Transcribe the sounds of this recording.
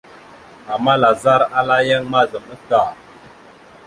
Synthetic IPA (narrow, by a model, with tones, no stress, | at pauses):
a˨mːa˦la˨za˦ɾa˦la˦ja˦ŋma˦zə˨mə˦ka˨